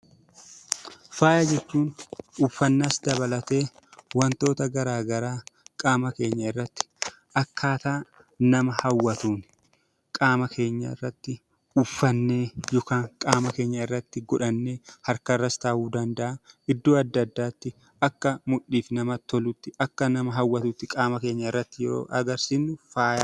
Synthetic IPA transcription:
faːjɐd͡ʒɛt͡ʃːuːnʊfːɐnːasd̪ɐbɐlɐt̪e̞ː | wɐnt̪o̞ːt̪ɐɡɐɾaːɡɐɾaːkʼaːmɐke̞ːɲːɐɪrːɐt̪ːɪ̥ | ʔɐkʰːaːt̪aː | nɐmɐhɐwːɐt̪uːn | kʼaːmɐkʰe̞ːɲːɐ̰ɪ̰rːɐt̪ːɪ | ʊfːɐnːe̞ːjoːkaːnkʼaːmɐke̞ːɲːɐɪrːɐt̪ːɪɡɔᶑɐnːeːhɐɾkɐrːɐst̪aːʔuːd̪ɐnd̪ɐʔɐɪd̪ːoːɐd̪ːɐd̪ːaːt̪ːɪ | ʔɐkːɐmʊʔːiːfnɐmɐt̪ːɔlʊt̪ːɪʔɐkːɐnɐmɐɦɐwːɐt̪uːt̪ːɪkʼaːmɐke̞ːɲːɐɪrːɐt̪ːɪjɛɾo̰ːʔɐɡɐɾsiːnːʊfaːjaː

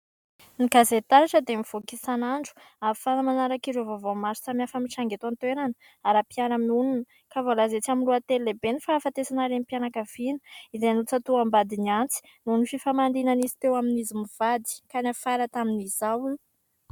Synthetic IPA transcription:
nikazet̪aɾaʈ͡ʂəd̪emiv̥okisanaɳɖ͡ʐu̥ | afanəmanaɾakiɾovavomasu̥t͡samiafəmiʈ͡ʂaŋɡet̪ant̪weɾanə | aɾapianəmiununə | kavolazet͡saminluat̪ellebenifaːfat̪esanaɾemipianakav̥inə̥izenut͡sat̪uambad̪iniant͡si̥ | nonififamand̪inanizi̥t̪ewaminizimiv̥ad̪i̥kanafaɾat̪aminizawu

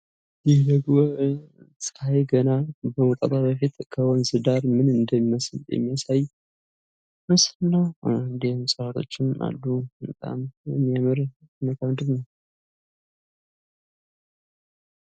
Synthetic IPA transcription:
jɪhd̪əɡo | sʼəhajɡənabəwɔk̪ʼət̪ʼabəfit̪kʰəwɔnzɨd̪aɾmɨnɨnd̪əmiməsljɛ̰mːijasaj | məslnːawɨnd̪ehmsʼɾat̪ʰo̞̰t͡ʃːɪna̰lːut̪ʼa̰mjɛmːiamɨɾ | məkʰəmd̪ɨɾnəw

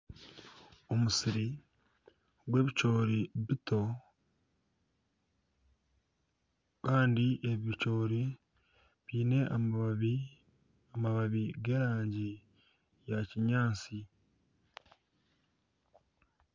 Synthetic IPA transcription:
omusiɾi | ɡwe̞ːβicoːɾiβito̞ | kaːndiʔe̞βiβicoːɾi | βiːne̞ʔa | amaβaβiɡe̞ːɾaːɲɟi | jaciɲaːt͡si

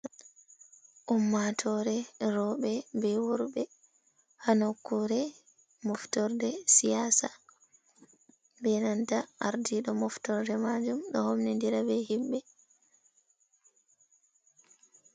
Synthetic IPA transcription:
ʔumːatʰɔɾɛɾɔɓɛbɛwuɾbɛ | hanokːuɾɛ | mɔftɔɾdɛsijasa | bɛnantaʔaɾdiɗɔmɔftɔɾdɛmad͡ʒumɗɔ̰homnindiɾabɛhimbɛ

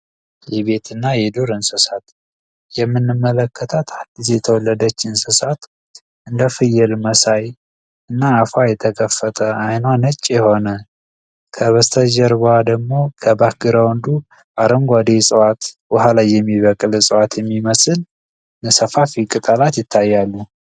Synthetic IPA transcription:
jɛβe̞t̪ʰɨnːajɛd̪uɾɨnsɨsat̪ | jɛmːɨnːɨmːələkʰːət̪ʰat̪ʰad̪ːisjɛt̪ʰəwɔlːəd̪ət͡ʃːɨnsɨsat̪ | ɨnd̪əfɨjːɛlməsaj | ɨnːaːfajɛt̪ʰəkʰəfːət̪ʼʰəajnwanət͡ʃʼːjɛho̞nə | kʰəβəst̪ʰəʒəɾbwad̪əɡmo̞kʰəbahɡɨɾawnd̪u | ʔaɾəŋɡʷad̪esʼəwat̪bəhalajːɛmːiβəkʼlsʼəwat̪jɛmːiməsɨl | nəsəfafikʼɨt̪ʼalat̪jɪt̪ʰːajːalːu

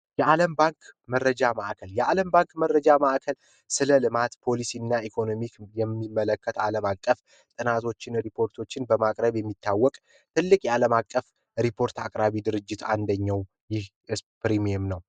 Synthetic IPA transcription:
jɛʔaləmbaŋkmərːəd͡ʒamaʔakʰəljɛaləmbaŋkmərːəd͡ʒamaʔakʰəl | sɨləlɨmat̪pʰo̞lisiɨnːaikʰo̞no̞mikjɛmːimːələkʰːət̪a̰ləmakʼːəf | t̪ʼɨnat̪ʰo̞t͡ʃːɪnɾipʰo̞ɾt̪ʰo̞t͡ʃːɪnbəmakʼɾəβjɛmːit̪ʰːawːɔkʼ | t̪ʰɨlːɨkʼjɛaləmakʼːəf | ɾipʰo̞ɾt̪ʰakʼɾaβid̪ɨɾɨd͡ʒːɪt̪a̰nd̪əɲːaw | jɪh | ɨspɾimiemnəw

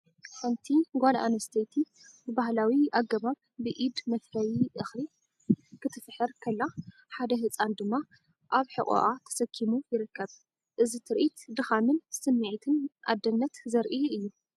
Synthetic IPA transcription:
ħɐnt̪ʰiɡola̰nɐst̪ʰet̪ʰi | bɨbahlawiʔaɡːɐβaβ | bɨʔid̪mɐt̪kʰɐjiʔɨxli | kʰɨt̪ʰɨfħɨɾkʰɐlːa | ħad̪ɐɦɨt͡sʼand̪ɨmːa | ʔaβħɨχʼṵʔat̪ʰɐ̥sɐkʰːimujɪɾɨkʰːɐβ | ʔɨzit̪ʰɨɾʔit̪d̪ɨxamɨnsɨmːiʕit̪ʰɨnʔa̰d̪ɐnːɐt̪zɐɾʔiɨjːu

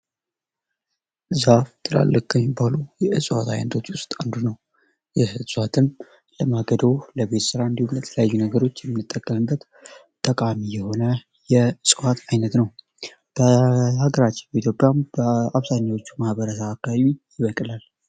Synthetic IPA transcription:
zaft̪ʼɨla̰lːəkʰːəmɪbalujɛʔɨsʼwat̪ʰa̰jnət̪ʰot͡ʃːwʊst̪ʼand̪unəw | jɛhɨsʼwat̪ʰɨn | ləmaɡəd̪əwləβe̞t̪sɨɾaɨnd̪ihumjɛt̪ʰələjajːunəɡəɾo̞t͡ʃːjɛmːɨnːɨt̪ʼːəkʼːəmɨbːət̪ | t̪ʼəkʼamijɛho̞nə | jɛɨsʼwat̪ʰajnət̪nəw | b̥əhaɡəɾat͡ʃːɪ̥nbəit̪ʰjo̞pʼjambəaβzaɲːawo̞t͡ʃːu̥mahbəɾəsaːkːaβaβijɪβəkʼɨlal

